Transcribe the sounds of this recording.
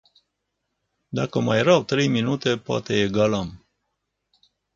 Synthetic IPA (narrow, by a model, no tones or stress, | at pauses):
d̪akəmajɾawt̪ɾe̞jminut̪e̞poa̰t̪e̞eɡaləm